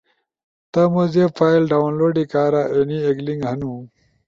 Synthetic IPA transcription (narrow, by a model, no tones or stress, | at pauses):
t̪ɐmozefaːjlɖaːwnloːɖikaːɾaʔenieɡliŋɡɦɐnũ